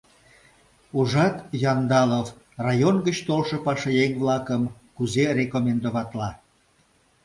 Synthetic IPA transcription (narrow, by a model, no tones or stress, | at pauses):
uʒɑt̪jɑnd̪ɑlov | rɑjonɣət͡ɕt̪olʃə̆pɑʃejeŋβlɑkəmkuzerekomʲend̪oβɑt̪lɑ